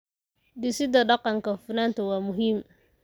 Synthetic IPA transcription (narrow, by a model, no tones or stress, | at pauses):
d̪ɪsɪd̪ɐɗɑqɑŋkɐfɪnaːnt̪ʰɐwaːmʊɦiːm